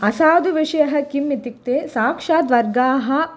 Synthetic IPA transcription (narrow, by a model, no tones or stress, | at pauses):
ɐsaːd̪uʋiʂɐjɐɦɐkimːit̪ik̚t̪eːsaːkʂaːd̪ʋɐɾɡaːɦɐ